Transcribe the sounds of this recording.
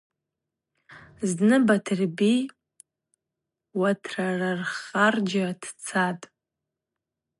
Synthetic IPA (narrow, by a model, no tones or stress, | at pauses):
znɨbatʰɨrbi | watʰrararχard͡ʒatʰt͡sʰatʼ